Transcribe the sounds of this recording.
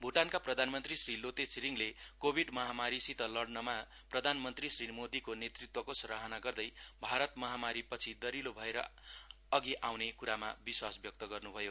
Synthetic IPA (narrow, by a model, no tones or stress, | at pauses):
bʱuʈankaprʌd̪ʱanmʌnt̪risrilot̪esʰiɾiŋlekobʱiɖmʌɦamaɾisit̪ʌlʌɽnʌma | prʌd̪ʱanmʌnt̪risrimod̪ikonet̪rit̪wʌkosʌɾaɦʌnaɡʌrd̪ʌjbʱaɾʌt̪mʌɦamaɾipʌt͡sʰid̪ʌɾilobʱʌeɾʌ̰ | ʌɡiʔawnekuɾama̰biswasbjʌk̚t̪ʌɡʌrnubʱʌjo